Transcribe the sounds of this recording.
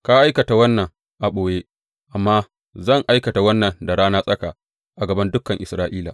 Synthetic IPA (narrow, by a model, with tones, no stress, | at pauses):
ka˦ʔa˦jkɐ˨ta˨wɐ˦nːɐ˨ŋ | ʔa˨ɓoː˨je˦ | ʔa˨mːaː˦ | zɐ˦˨ŋʔa˦jkɐ˨ta˨wɐ˦nːɐ˨nda˨ɽaː˦naː˦sʼɐ˦kaː˨ | ʔa˨ɡɐ˨bɐ˦ndʊ˦kɐ˨ŋʔɪ˨sɾaː˦ʔiː˦la̰ː˨